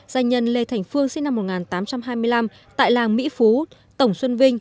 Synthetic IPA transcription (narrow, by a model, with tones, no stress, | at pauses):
z̥aː˨˩ɲə˨˩nle˨˩t̪ʰɛ˨˩jŋ̟fɨ˧əŋsḭ˧nːa˧mːo˨˩t̚ŋaː˨˩nt̪aː˨˦mt͡ɕa˧mɦaː˧jmɨ˧əjla˧m | t̪a̰ː˧˨jlaː˨˩ŋmḭ˧˥fu˨˦ | t̪ə˧˩wŋ͡mswə˧nvï˧ŋ̟